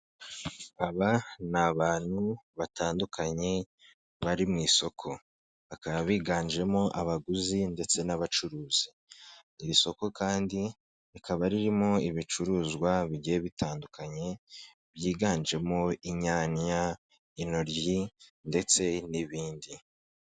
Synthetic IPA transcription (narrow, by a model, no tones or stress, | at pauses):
aβanaβaːn̥huβataːndukʰaɲe̞ | βaɾimŋiːso̞kʰo̞ | βakaβaβiːɡaːnd͡ʒe̞mo̞ʔaβaɡuzinde̞t͡se̞naβat͡ʃuɾuːz̥i | iɾiso̞ko̞kaːndi | ekʰaβaɾiɾimo̞iβit͡ʃuɾuːzɡwaβiɟieβitaːndukaɲe̞ | βjiːɡaːnd͡ʒe̞mo̞iɲaːnja | ino̞ɾjinde̞t͡se̞niβiːndi